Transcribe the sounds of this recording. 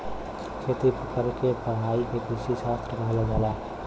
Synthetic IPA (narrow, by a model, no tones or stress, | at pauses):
kʰet̪ipəkəɾkepəɦaikekisit͡ʃʰat̪ʰɾəkəɦlaɡala